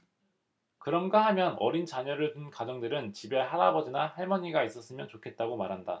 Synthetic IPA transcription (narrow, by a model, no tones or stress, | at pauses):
kɯɾʌnɡaɦamjʌnʌ̰ɾint͡ɕaɲʌɾɯɭtunkad͡ʑʌŋdɯɾɯnt͡ɕibe̞haɾabʌd͡ʑinahaɭmʌɲiɡais͈ʌs͈ɯmjʌnt͡ɕokʰe̞t̚t͈aɡomaɾɦanda